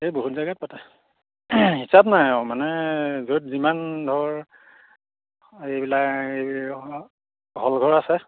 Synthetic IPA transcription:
eboɦutzaɡat̚patɛ | hisabnajmanɛzotzimandʱɔɹ | ejbilake | ɦɔlɡʱɔɹasɛ

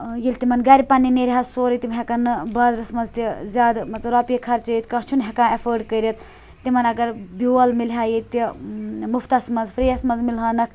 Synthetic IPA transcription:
jilʲt̪imɐnɡɐɾʲipɐnːineɾʲɦɐsoːɾit̪imɦʲɛkɐnɨbaːzɾɐsmɐnzt̪izʲaːd̪mɐt͡sɾaːpʲikʰɐɾt͡ʃɐjit̪kãːt͡ʃʰunɦʲekãːɐfʰəːɾɖkəɾit̪ | t̪imɐnɐɡɐɾbiɐlmilɦʲaːjit̪imuft̪ɐsmɐnzfɾeːɐsmɐnzmilɦaːnɐkʰ

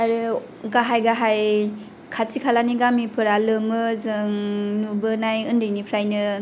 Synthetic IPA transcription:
aɾɯ | ɡaɦajɡaɦaj | kʰasikʰalaniɡamipʰɯɾalɯmɯzɯŋnubɯnajɯndɯjnipʰɾajnɯ

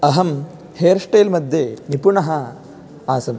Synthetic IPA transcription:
ɐɦɐm | heːɾʂʈeːlmɐd̪ʱjeːnipuɳɐɦɐ | aːsɐm

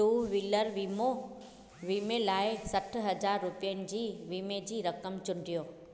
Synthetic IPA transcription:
uːʋiləɾʋiːmo | ʋiːmelaːɪsɐʈ̆ʰɦɐd͡ʑaːɾːʊpijənɪ̆d͡ʑiːʋiːmed͡ʑiːɾɐkəmt͡ɕʊ̃ɳɖʱijoː

